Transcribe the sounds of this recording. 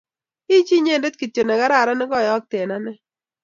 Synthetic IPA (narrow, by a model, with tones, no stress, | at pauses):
i˦d͡ʒi˦ɲe˦˨nde˦t̪̚ki˨to˨nɛ˨ɡa˦ɾa˦˨ɾa˦nɪ˦ɡɔ˦˨jɔ˦k̚te˨na˦nɛ˦